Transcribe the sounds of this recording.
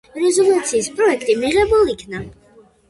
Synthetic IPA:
ɾɛzɔlˠut̪sʰiːspʼɾɔɛkʰt̪ʼimiʁɛbulˠikʰna

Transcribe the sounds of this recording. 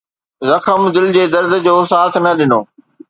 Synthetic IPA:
zɐkʰəmd̪ɪld͡ʑeːd̪ɐɾd̪̆ʱd͡ʑoːs̬aːt̪ʰnɐɗɪnoː

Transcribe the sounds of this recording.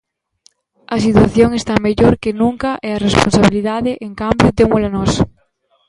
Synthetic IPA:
ɐsit̪waθjoŋest̪ameʎoɾkenũŋkɐʔɛarespo̰nsaβ̞iliðaðeʔeŋkambjʊt̪eŋmʊlanɔs

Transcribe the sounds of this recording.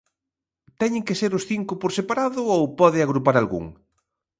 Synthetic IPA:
t̪ɛɲẽŋkeseɾʊsθiŋkʊpoɾsepaɾaðʊowpɔðɪaɣɾupaɾalɣṵŋ

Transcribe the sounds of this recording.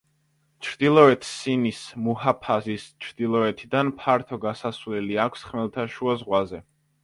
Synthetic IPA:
t͡ʃʰɾd̪̥ilˠɔɛt̪ʰsinismuɦapʰazist͡ʃʰɾd̪̥ilˠɔɛt̪ʰid̪anpʰaɾt̪ʰɔɡasasvlɛliakʷʰsχmɛlˠt̪ʰaʃuazʁwazɛ

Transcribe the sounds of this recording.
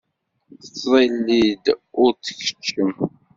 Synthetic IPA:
θət͡sːzˤilːid̪ʊɾt͡sːə̥çə̥t͡ʃːəm

